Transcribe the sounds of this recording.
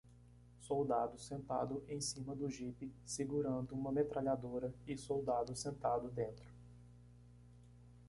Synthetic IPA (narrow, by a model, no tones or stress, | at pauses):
sowd̪ad̪ʊsẽnt̪a̰d̪ʊʔẽj̃sĩmɐd̪ʊʒipɪsiɡuɾɐ̃nd̪ʊũmɐmet̪ɾʔaʎad̪oɾɐɪsowd̪ad̪ʊsẽnt̪ad̪ʊd̪ẽnt̪ɾʊ̥